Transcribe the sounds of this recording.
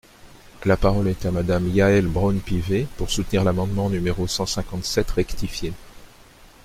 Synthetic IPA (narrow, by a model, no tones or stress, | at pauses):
lapaʁɔlɛt̪amad̪amjaɛlbʁɔnpivepuʁsut̪niʁlamɑ̃d̪mɑ̃nymeʁosɑ̃sɛ̃kɑ̃t̪sɛt̪ʁɛkt̪ifje